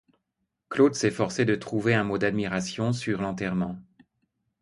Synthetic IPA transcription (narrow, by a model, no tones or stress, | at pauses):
klod̪sɛfɔʁsed̪ət̪χuveɛ̃mod̪ad̪miʁasjɔ̃syʁlɑ̃t̪ɛʁmɑ̃